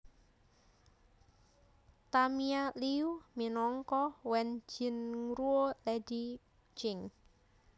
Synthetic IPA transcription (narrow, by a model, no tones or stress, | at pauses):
t̪amialiuminɔŋkɔwɛnd͡ʒi̤nŋɾuolɛdi̥ | d͡ʒɪŋ